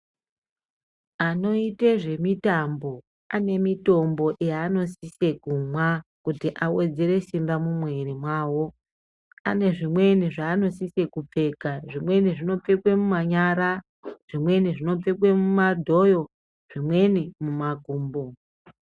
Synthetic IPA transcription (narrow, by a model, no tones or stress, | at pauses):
ano̞iteʐe̞mitambo̞ | ane̞mito̞mbo̞ʔejaːno̞sise̞kumwakutiʔawed͡zeɾe̞simbamumwe̞ɾimwaːwo̞ | a̰ne̞ʐimwe̞niʐaːno̞sise̞kup͡fe̞kaʐimwe̞niʐino̞p͡fe̞kwe̞mumaɲaɾa | ʐ̥imwe̞niʐino̞p͡fekwe̞mumadʱo̞jo̞ | ʐ̥imwe̞nimumaɡʱuːmbo̞